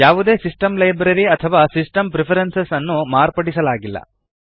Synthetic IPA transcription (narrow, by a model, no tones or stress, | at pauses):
jaːʋud̪e̞ːsisʈɐmlɐjbɾɐɾiɐt̪ʰɐʋaːsisʈɐmpɾepʰɐɾensesɐnːumaːɾpɐɽisɐlaːɡilːɐ̰